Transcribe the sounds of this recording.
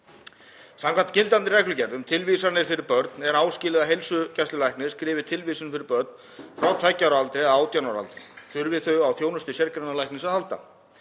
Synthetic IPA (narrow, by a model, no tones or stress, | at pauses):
samŋkʰant̪cɪlt̪ant̪ɪrɛjklʏcɛɾðʏmt̪ʰɪlvisaɾnɪɾ̥fɪɾɪɾpœɾt̪nɛɾaːwscɪːlɪðaɦejlsʏcɛst̪ʏlajhknɪskɾɪːvɪt̪ʰɪlvisʏnfɪɾɪɾpœɾt̪̚n | fɾawt̪ʰvaːjcːawɾalt̪ɾɪaðaːwt̪janawɾa̰lt̪ɾɪθʏɾvɪθœɥɣawθjoːwnʏst̪ʏsjɛɾkɾanːalajhknɪsaðhalt̪a̰